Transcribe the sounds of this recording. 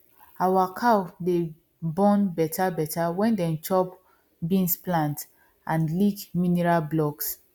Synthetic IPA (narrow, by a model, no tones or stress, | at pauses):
awakʰade | bɔ̃nbɛtʰabɛtawɛ̃ndɛ̃nt͡ʃɔp | bĩnsplãnt | ʔãnlikminɛɹalblɔks